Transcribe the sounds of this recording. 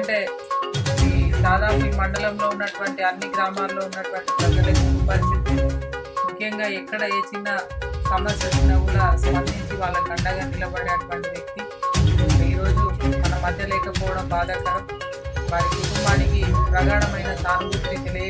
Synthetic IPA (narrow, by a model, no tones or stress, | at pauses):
ɐɳʈe̞ː | ɐid̪aːd̪aːpumɐɳɖɐlɐmlo̞ːunːɐʈuʋɐɳʈiɐnːiɡɾaːmaːlːo̞ːunːɐʈuʋɐɳʈipɐbɐlɐkuupɐɾisit̪imukʰjɐŋɡaːɛkːɐɽɐeːt͡ʃinːɐsɐmɐsjɐsinɐɡulɐsɐmɐnd̪iɲt͡ʃiʋaːɭːɐkɐɳɖɐɡaːnilɐbɐɽeːɐʈuʋɐɳʈiʋek̪ːi | iːɾo̞ːd͡ʒumɐnɐmɐd̪ʱjɐlɛːkɐpɔːʋɐɽɐmbaːd̪ɐkaː | ʋaːnikiuumaːnikipɾɐɡ̪aːɳɐmɐjnɐsaːɾbut̪nit̪eliɐ